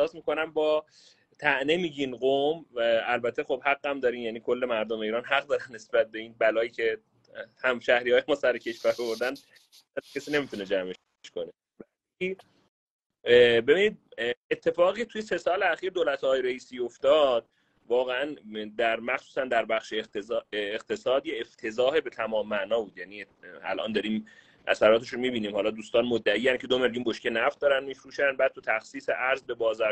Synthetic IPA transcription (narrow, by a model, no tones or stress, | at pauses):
hsɒːsmiːko̞næmbɒː | t̪ʰæʔnemiːɟinɢomælbæt̪ʰːe̞xo̞bhæɡːæmd̪ɒːɾiːmjæniːkʰo̞lːe̞mæɾd̪ome̞iːɾɒːnɦæɣd̪ɒːɾænːe̞sbæt̪̚be̞iːnbælɒːjiːcʰe̞ | hæmʃæhɾiːhɒːjemɒːsæɾecʰe̞ʃvæɾovoɾd̪æn | æɾcʰesiːne̞mit̪ʰune̞d͡ʒæme | ʃkone | væ | iː | be̞binid̪̚e̞t̪ʰːe̞fɒːɣiːcʰet̪ʰujese̞sɒːleæxiːɾd̪oːlæt̪ʰɒːjeɾeiːsiːoft̪ɒːd̪̚ | vɒːɣeænd̪æɾmæxsuːsænd̪æɾbæχʃe | eqt̪ʰe̞sɒːd̪jeːft̪ʰe̞zɒːhebe̞t̪ʰæmɒːmːæʔnɒːbuːd̪jæːniːæ̰lʔɒ̰ːnd̪ɒːɾiːm | ʔæ̰sæɾɒːt̪ʰe̞ʃunmiːbiːniːmhɒːlɒːd̪uːst̪ɒːnmod̪ːæiːjæncʰe̞d̪ome̞ɾjuːnboʃkcenæft̪̚d̪ɒːɾænmiːfɾuːʃænd̪bæːd̪̚t̪ʰut̪ʰæxsiːseʔæɾzbe̞bɒːzɒː